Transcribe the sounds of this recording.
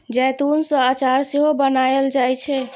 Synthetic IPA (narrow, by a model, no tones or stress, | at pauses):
d͡ʒɛjt̪unsɔ̃at͡ʃaɾseɦobənajld͡ʒajt͡ʃʰɛ